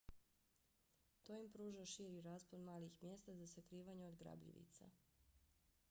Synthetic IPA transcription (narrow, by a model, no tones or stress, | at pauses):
t̪ojimpɾuːʒaʃiːɾiɾaːspolmaːlixmjeːst̪azasakɾiːʋaɲeod̪ɡɾa̰bʎḭʋḭt̪sa̰